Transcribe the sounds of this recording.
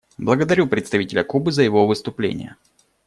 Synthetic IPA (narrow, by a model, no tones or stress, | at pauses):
blˠəɡəd̪ɐɾʲupɾʲɪt̪st̪ɐvitʲɪlʲəkubɨzəjɪvovɨst̪ʊplʲḛnʲɪ̰jə̰